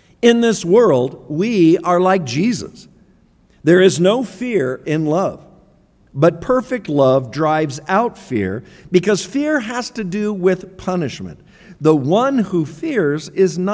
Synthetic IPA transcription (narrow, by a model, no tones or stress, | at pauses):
ɪ̃nðɪswɜ˞lˠdwiə˞laɪk̚d̥ʒ̥izə̰s | ðə˞ɨznoʊfɪɹɪ̃nlʌv | bʌt̚pʰɜ˞fɨk̚tˡlʌvdɹaɪvzaʊtfɪ̰ɹ | bɨkʰʌz̥fɪɹɦɨz̥tɨdɨwɪð̥pʰʌnɨʃmɨ̰̃n | ðəwʌ̃nhufɪɹzɪzn